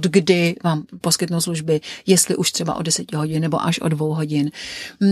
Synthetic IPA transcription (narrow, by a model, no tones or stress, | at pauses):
dɡdɪvaːmpo̞skɪt̪nuwsluʒbɪjɛst̪lɪʔuʃt̪r̥ɛba̰ʔo̞̰dɛsɛcɪɦo̞ɟɪnːɛbo̞̰ʔaʃʔo̞̰dvowɦo̞ɟɪn